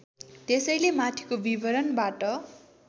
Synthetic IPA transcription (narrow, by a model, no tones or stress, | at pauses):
t̪esʌjlemat̪ʰi̥kobibʱʌɾʌnbaʈʌ